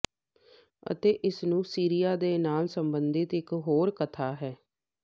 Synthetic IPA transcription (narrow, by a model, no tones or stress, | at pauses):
ə̰t̪eːʔɪsnũːsiːɾijaːd̪eːnaːlsəmbənd̪ɪt̪ɪkɦoːɾkət̪ʰaːɦɛː